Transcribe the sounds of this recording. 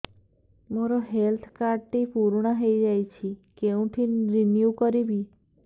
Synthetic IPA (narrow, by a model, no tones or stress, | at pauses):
moɾɔɦelt̪ʰkaɾɖʈipuɾɽ̃aɦejd͡ʒajt͡ʃʰikeũʈʰinɾinjukɔɾibi